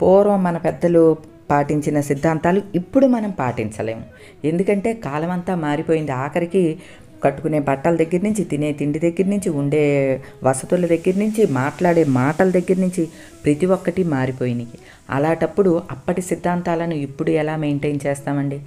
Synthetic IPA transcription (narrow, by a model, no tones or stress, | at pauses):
pɔːɾʋɐmːɐnɐpɛd̪ːɐlu | paːʈiɲt͡ʃinɐsid̪ʱːaːnt̪aːluipːuɽumɐnɐmpaːʈiɲt͡ʃɐlḛːmu | e̞nd̪ukɐɳʈe̞ːkaːlɐmɐnt̪aːmaːɾipo̞ːjind̪iaːkɐɾiki | kɐʈːu̥kune̞ːbɐʈːɐlɐd̪ɐɡːɐɾnuɲt͡ʃit̪ine̞ːt̪iɳɖid̪ɐɡːɐɾnuɲt͡ʃiuɳɖe̞ː | ʋɐsɐt̪ulɐd̪ɐɡːɐɾnuɲt͡ʃimaːʈlaːɽeːmaːʈɐlɐd̪ɐɡːɐɾnuɲt͡ʃi | pɾɐt̪iʋɔkːɐʈimaːɾipo̞ːjiniki | ɐ̰laːʈɐpːuɽuɐpːɐʈisid̪ʱːaːnt̪aːlɐnuipːuɽuɛlaːmejɳʈejnt͡ʃɛːst̪aːmɐɳɖi